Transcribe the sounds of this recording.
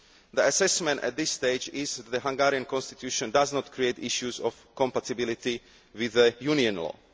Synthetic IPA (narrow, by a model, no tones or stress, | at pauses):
ðəasɛsmɛ̃nt̪ɛ̰t̪̚d̪ɪsːt̪eɪd͡ʒɪzɛd̪əɦãŋɡaːɾiãnkɔ̃nst̪it̪juːʃɔ̃ndaznɔt̪kɾieɪt̪iʃjuzɔfkɔ̃mpat̪ibilɪt̪i | ʋɪðəjuːniɔ̃nlɔ̰ː